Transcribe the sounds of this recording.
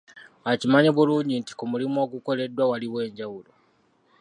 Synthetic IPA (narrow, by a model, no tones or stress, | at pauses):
acimaɲeβuluːɲɟinti̥kumulimuo̞ɡuko̞le̞dːwawaliwe̞ːɲɟawulo